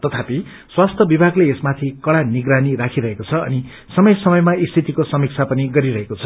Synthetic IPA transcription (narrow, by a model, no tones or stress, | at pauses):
t̪ʌt̪ʰapi | swast̪ʰʌbibʱaɡleesmat̪ʰikʌɽaniɡranirakʰiɾʌɦekot͡sʰʌʌ̰ni | sʌmʌjsʌmʌjmaist̪ʰit̪ikosʌmik̚t͡sʰapʌniɡʌɾiɾʌɦekot͡sʰʌ̥